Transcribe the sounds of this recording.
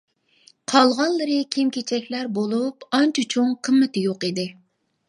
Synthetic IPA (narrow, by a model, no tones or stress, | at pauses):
qʰɑlˠʁɑnlˠɨɾɨkʲʰimkʲet͡ʃʰɛkʲlæɾbolˠupɑnt͡ʃʰut͡ʃʰuŋqʰəmːɪt̪ɪjoqid̪ɪ